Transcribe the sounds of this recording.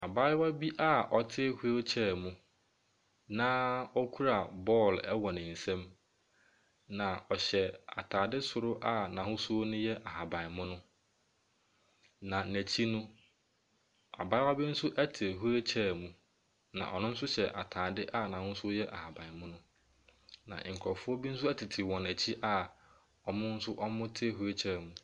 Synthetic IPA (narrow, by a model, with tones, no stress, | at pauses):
a˨ba˦ɪ˦wa˦bi˦ʔa˦ʔɔ˨tʰɪ˦hu˦æ˦t͡ɕʰɛː˦˨mũ˦ | nãː˦ɔ˦kʰu˦ɾa˨bɔ˦˨lɛ˦wɔ˨nɪ̃˨n̩˨sɛ̃˦m | nã˨ɔ˨ɕɛ˨a̰˨tʰaː˨dɪ˦sʊ˨ɾʊ˦ʔa˦nã˨hʊ̃˦sʊ˦o˦nʊ̃˦jɛ˦ʔa˨ha˨bã˨n˨mʊ̃˦nʊ̃˦ | nã˨næ˨t͡ɕʰi˦nʊ̃˦ | a̰˨ba˦wa˦bɪ˦n̩˦sʊ˦ʔæ˦tʰɪ˨ɦu˦ɾe˦t͡ɕʰɛ˦˨mũ˨ | nã̰˨ʔɔ̰˨nʊ̃˦n̩˦s̬ʊ˦ɕɛ˨ʔa̰˨tʰaː˨dɪ˦ʔa˦nã˨hʊ̃˦sʊ˦ɔ˦jɛ˦ʔa̰˨ha˨bã˨mʊ̃˦nʊ̃˦ | nã̰˨ŋ̩˨kʰɔ˨fʊ˦ɔ˦bi˦n̩˦s̬ʊ˦æ˦tʰɪ˨tʰɪ˨wɔ̃˨næ˨t͡ɕʰi˦ʔa˦ | ɔ˨mʊ̃˦n̩˦sʊ˦ʔɔ˦mʊ̃˦tʰɪ˦ɦu˦ɾe˦t͡ɕʰɛ˦˨mũ˨